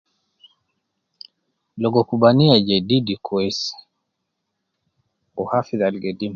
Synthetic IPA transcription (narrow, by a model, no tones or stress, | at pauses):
lɔɡɔkubaniad͡ʒedidikʰɔes | ɔhafiðalɡedim